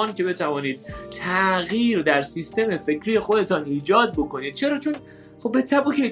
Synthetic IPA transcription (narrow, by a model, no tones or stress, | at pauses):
ɒːnce̞be̞t̪ʰævɒːniːd̪̥̚t̪ʰæʔɣjiːɾd̪æɾsist̪e̞me̞fe̞cʰɾije̞xo̞d̪e̞t̪ʰɒːniːd͡ʒɒːd̪̚bo̞kʰo̞niːd̪̥̚t͡ʃʰe̞ɾɒːt͡ʃʰon | χobːe̞t̪ʰæbuːke